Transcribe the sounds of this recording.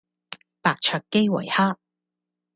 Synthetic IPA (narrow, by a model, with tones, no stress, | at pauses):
paː˨k̚t͡ʃʰœː˧kːe˥jwɐ̰˨˩jhaː˥